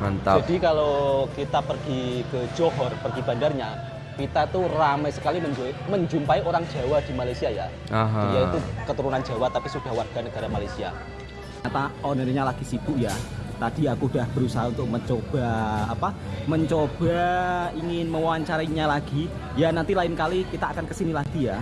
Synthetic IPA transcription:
mənt̪ad͡ʒadikalokit̪apərɡ̥ikəd͡ʒɔɦɔrpərɡ̥ib̥a̤ndarɲa | kit̪ait̪uramajsə̥kaliməɲd͡ʒoməɲd͡ʒumpaioɾaŋd͡ʒ̥a̤wad̥imalajsiaja̰ | aɦjaiukət̪uɾunand͡ʒ̥a̤wat̪apisud̥ahwarɡ̥a̤nəɡ̥a̤ɾamalajsia̰ | kat̪aɔnəɾɲalaɡ̥isib̥ʊʔjat̪ad̥iakud̥ahb̥əɾusaɦaunt̪ʊk̚məɲt͡ʃob̥aːpaməɲt͡ʃob̥aiŋɪnməwaɲt͡ʃaɾaiɲalaɡ̥i | janant̪ilaɪnkalikit̪aːkankəsinilaɡ̥i̤ja

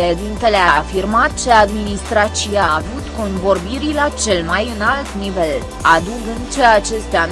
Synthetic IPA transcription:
ed̪int̪e̞leafirmat̪̚t͡ʃead̪minist̪ɾat͡ʃiaːvut̪ko̞nbo̞rbiɾilat͡ʃe̞lmajɨnalt̪nive̞l | ad̪uɡɨnt͡ʃeat͡ʃe̞st̪a

